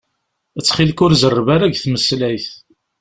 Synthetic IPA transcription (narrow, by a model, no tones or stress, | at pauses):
ət͡sːχilkʊɾzərˤːvaɾæʝθməslæjθ